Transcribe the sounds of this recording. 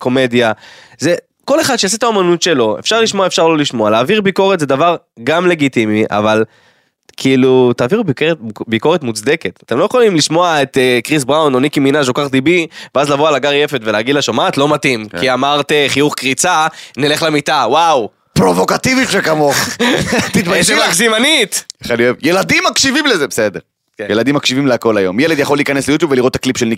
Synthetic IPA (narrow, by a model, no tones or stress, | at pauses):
ko̞me̞d̪ja | ze̞ | ko̞le̞χad̪ʃejas̬it̪aomanut̪ʃe̞lo̞e̞̰fʃaʁliʃmo̞aefʃaʁlo̞liʃmo̞alaːviʁbiko̞ʁet̪zedavaʁ | ɡamle̞ɡitimiʔa̰val | kʰiiːlut̪aːviʁbikeʁetbiko̞etmut͡sd̪e̞ke̞t̪at̪emlo̞jeχolimliʃmo̞ae̞t̪ekʁis̬bʁawnonikiminaʃokaʁd̪ibiveazlavoalaɡaʁjefe̞tveleaɡid̪laʃomaːt̪lo̞matimkiamaʁteχijuχkʁit͡sanile̞χlemitawaw | pʁo̞vokat̪ivit̪ʃekamo̞χt̪it̪maʃiʁakzimaniteχalioevjelad̪imːakʃivimlezebesed̪eʁ | kejelad̪imːakʃivimleako̞lajomːjɛled̪jaχo̞lːiːkaneslejut̪jubveliʁtːaklipʃelni